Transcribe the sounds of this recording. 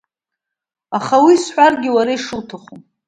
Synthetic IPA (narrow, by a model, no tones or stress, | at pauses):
aχawiːsħʷarɡʲɪwaɾaiʂɨltʰaχum